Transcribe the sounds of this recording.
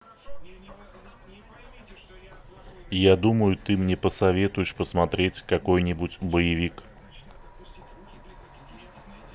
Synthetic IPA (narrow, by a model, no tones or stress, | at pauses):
jad̪uməjʊt̪ɨmnʲepəsɐvʲe̞t̪ʊjɪʂpəsmɐt̪ɾʲetʲkɐkojnʲɪbʊtʲbəjɪvʲik